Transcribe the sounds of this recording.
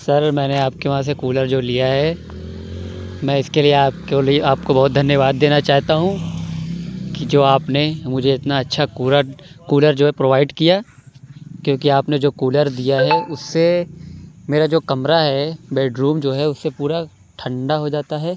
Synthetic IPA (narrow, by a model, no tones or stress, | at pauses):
sɐɾmɛ̃ːneaːp̚keʋɐɦãs̬ekuːləɾd͡ʒoːlijaɦɛ | mɛ̃ːɪskelieaːpkoliaːp̚kobɐɦʊt̪̚d̪ʱɐnjəʋaːd̪ːeːnat͡ʃaːɦt̪aɦũ | kid͡ʒoːaːpnemʊd͡ʒʱeɪt̪naɐtːʃʰaɾkuːləɾd͡ʒoːɦɛpɾoːʋaːɪɖkija | kjõːkiaːpned͡ʒoːkuːləɾd̪ijaɦɛʊsːe | meːɾad͡ʒoːkɐmɾaɦɛbeːɖɾuːmd͡ʒoːɦɛʊsːepuːɾa | ʈʰɐ̃ɳɖaɦod͡ʒaːt̪aɦɛː